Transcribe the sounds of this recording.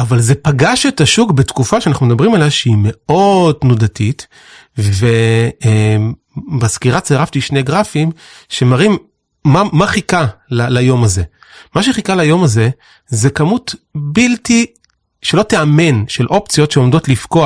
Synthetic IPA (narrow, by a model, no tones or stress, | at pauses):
ʔavalze̞paɡaʃe̞taʃukbe̞tkufaʃeanaχnumd̪abʁimalavʃeime̞o̞dnudatit | ve | baskiʁat͡seʁaft̪iʃneɡʁafim | ʃe̞maʁimː | amaχikalalajo̞maze̞ | maʃ̬eχikalajo̞maze̞ | ze̞kamutbilti | ʃe̞lo̞teame̞nʃe̞lʔo̞pt͡sijo̞tʃeomdo̞tlifko̞a